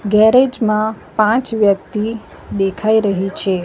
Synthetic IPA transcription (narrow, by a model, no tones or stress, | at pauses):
ɡɛɾed͡ʒmãpãt͡ʃʋjək̚t̪i | d̪ekʰaiɾəɦit͡ʃʰe